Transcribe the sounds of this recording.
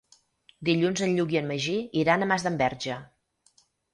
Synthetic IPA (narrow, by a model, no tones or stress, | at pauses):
d̪iʎunzənʎuɣiənməʒiiɾanəmazðəmbɛɾʒə